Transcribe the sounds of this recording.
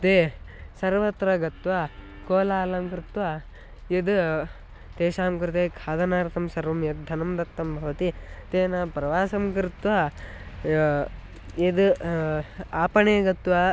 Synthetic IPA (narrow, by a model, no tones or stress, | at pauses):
t̪eː | sɐɾʋɐt̪ɾɐɡɐt̪ʋa | koːlaːlɐmkɾit̪ʋaː | ed̪ | t̪eːʃaːmkɾt̪eːkʰaːd̪ɐnaːɾt̪ʰɐmsɐɾʋɐmjɐd̪̚d̪ʱːɐnɐmd̪ɐt̪ːɐmbʱɐʋɐt̪it̪eːnapɾɐʋaːsɐmkɾit̪ʋa | ed̪ | aːpɐɳeːɡɐt̪ʋa